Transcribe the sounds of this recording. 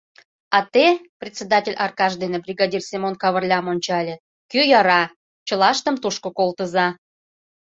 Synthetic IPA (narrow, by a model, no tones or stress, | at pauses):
ɑt̪eprʲet̪ʲsʲed̪atʲelʲʔɑrkɑʒd̪enebrʲiɡɑdʲirsʲimonkɑβərlʲɑmonʲt͡ɕɑlʲĕ | kyjɑɾɑ | t͡ɕə̆lɑʃt̪ə̆mt̪uʃkokolˠt̪əzɑ